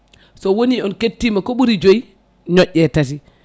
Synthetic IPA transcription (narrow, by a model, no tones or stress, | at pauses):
sɔwoniɔnketːimakoɓuɾid͡ʒoi | ɲɔʔːɛtati